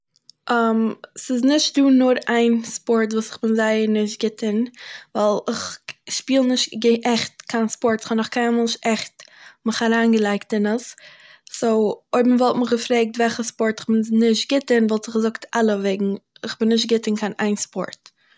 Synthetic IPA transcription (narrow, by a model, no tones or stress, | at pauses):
ʔamsɪznɪʃt̚duːnʊɾaɪnspɔɾtvuːsɪ̥χb̥ɪnzaɪəɾnɪʃtɡɪtʰənvalˠɪχʃpiːlˠnɪʃtɡʔɛχtkʰanspɔɾtɪ̥χɔnɔχkʰaɪmɛlˠʃɛχtmɪχaɾaːnɡəlˠaɪktɪnəs | soʊoɪbmvɔlˠtmɪχɡəfɾeːk̚tvɛlˠχəspɔɾtɪχbɪnnɪʃtɡɪtənvalˠsɪχɡəzʊktalˠəveːɡŋ̩ɪχbɪnːɪʃ̬tɡɪtənkʰana̰ɪnspɔ̰ɾt